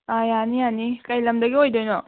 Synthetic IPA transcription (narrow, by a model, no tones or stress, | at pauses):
ajanijanikɐjlɐmdɐɡiojdojnɔ